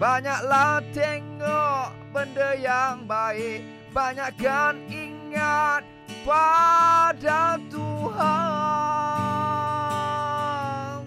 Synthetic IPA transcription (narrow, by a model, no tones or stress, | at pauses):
b̥aɲak̚lat̪əŋɔʔ | bəndəjaŋbaɪʔ | baɲak̚ɡaniŋat̪̚ | pa | dat̪uɦa | n